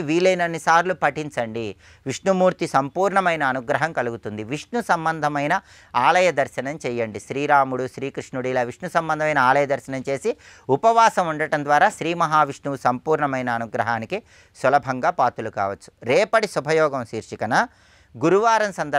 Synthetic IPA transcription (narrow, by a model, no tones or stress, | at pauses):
ʋiːlɐjnɐnːisaːɾlupɐʈiɲt͡ʃɐɳɖi | ʋiʂɳumuːɾt̪isɐmpuːɾɳɐmɐjnɐːnuɡɾɐɦɐmkɐluɡut̪und̪iʋiʂɳusɐmbɐnd̪ʱɐmɐjnɐ | aːlɐjɐd̪ɐɾʃɐnɐmt͡ʃɛjːɐɳɖiʃɾiːɾaːmuɽuʃɾiːkɾiʂɳuɽiːlɐʋiʂnusɐmbɐnd̪ɐmɐjnɐaːlɐjɐd̪ɐɾʃɐnɐmt͡ʃe̞ːsiupɐʋaːsɐmuɳɖɐʈɐnd̪ʋaːɾaːʃɾiːmɐɦaːʋiʂɳuʋusɐmpuːɾɳɐmɐjnɐːnuɡɾɐɦaːniki | sɐlɐbʱɐŋɡaːpaːt̪uluka̰ːʋɐt͡ʃːu̥ɾɛːpɐɽisubʱɐjɔːɡɐmʃiːɾʂikɐnɐ | ɡuɾuʋaːɾɐmsɐnd̪ɐ